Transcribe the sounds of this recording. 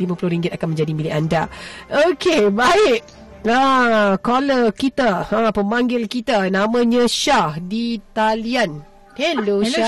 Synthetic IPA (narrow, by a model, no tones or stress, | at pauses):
limãpulʊhɾiŋɡɪt̪̚akanmə̃ɲd͡ʒadimilɪʔandaokebaɪʔ | akoləkit̪aãpəmaŋɡɪlkit̪anamə̃ɲə̃ʃahdit̪alian | hɛloa